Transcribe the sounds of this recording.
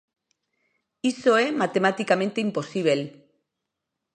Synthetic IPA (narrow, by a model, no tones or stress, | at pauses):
isoemat̪e̞mat̪ikame̞nt̪eimpo̞siβ̞el